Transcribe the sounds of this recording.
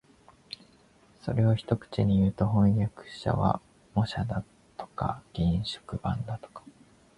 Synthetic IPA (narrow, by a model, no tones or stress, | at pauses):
so̞̰ɾe̞oçi̥t̪o̞kɯ̥t͡ɕiɲ̟ijɯ̟ːt̪o̞ɦõ̞ɰ̃jakɯ̟̥ɕa̰βa̰ | mo̞ɕad̪a | t̪o̞̥ka̰ɡ̥ʲĩɕo̥kɯ̟bã̰nd̪at̪o̥kḁ